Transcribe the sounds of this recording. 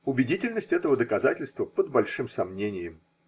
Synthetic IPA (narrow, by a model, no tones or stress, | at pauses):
ʊbʲɪdʲitʲɪlʲnəsʲtʲɛt̪əvəd̪əkɐzatʲɪlʲst̪vəpəd̪̚bɐlʲʂɨmsɐmnʲenʲɪjɪm